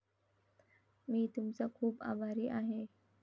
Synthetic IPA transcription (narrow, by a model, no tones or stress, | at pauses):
mĩːt̪ʊmsakʰuːba̰ːbaːɾiʔaːɦe